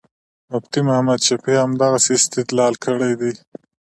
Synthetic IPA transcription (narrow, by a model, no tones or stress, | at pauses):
mʊbt̪imʊhamad̪t͡ʃapiamd̪aɣasest̪ɪt̪lɑlkʰəɽajd̪i